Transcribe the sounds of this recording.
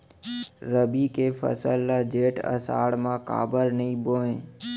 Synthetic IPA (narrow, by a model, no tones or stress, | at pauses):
ɾəbikepʰə̰səlːad͡ʒeːʈə̰sa̰ːɽmãka̰ːbəɾnəĩboːẽː